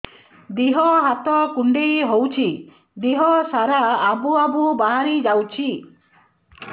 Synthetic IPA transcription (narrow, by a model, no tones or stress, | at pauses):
d̪iɦɔɦat̪ɔkuɳɖejɦowt͡ʃʰi | d̪iɦɔsaɾaːbuabubaɦaɾid͡ʒawt͡ʃʰi